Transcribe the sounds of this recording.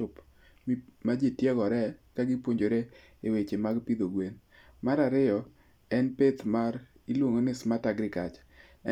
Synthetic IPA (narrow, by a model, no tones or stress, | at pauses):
ʊp | mad͡ʒetjɛɡɔɾɛkaɡɪpwoɲd͡ʒoɾe | ewet͡ʃemaɡpid̪oɡwen | maɾaɾɪjɔ | ɛnpet̪maɾ | ilwoŋonɪsmataɡɾɪkat͡ʃ